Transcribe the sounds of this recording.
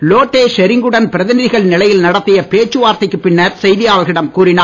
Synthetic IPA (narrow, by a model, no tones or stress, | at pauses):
loːʈːeːʃɛɾɪŋɡɯɽɐnpɪɾɐðɪnɪðɪɣɐɭnɪlɐjɪlnɐɽɐt̪ːɪjɐpeːt͡ʃːɯʋaːɾt̪ɪkːɯpːɪɳːɐɾsɛjðɪjaːʋɐɣɪɽɐmkuːɾɪnaː